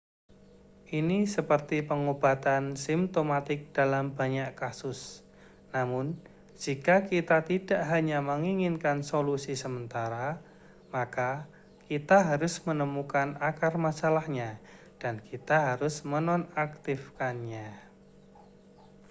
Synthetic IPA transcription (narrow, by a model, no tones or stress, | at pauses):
ʔinisəpərt̪ipəŋob̥a̤t̪ansimt̪omat̪ɪk̚d̥a̤lambaɲaʔkasʊs | namʊn | d͡ʒ̥ikakit̪at̪id̥aʔɦaɲaməŋiŋɪnkansolusisəmənt̪aɾa | maka | kit̪aɦaɾʊsmənəmukanakarmasalahɲa | d̥ankit̪aɦaɾʊsmənɔnakt̪ɪfkanɲa